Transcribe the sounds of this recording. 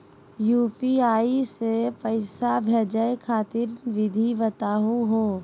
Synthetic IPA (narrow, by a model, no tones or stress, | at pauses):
juːpiaːisepəɪsabʱɛd͡ʒəjkʰaːt̪ɪɾʋɪd̪ʱiʋət̪aːɦuɦoː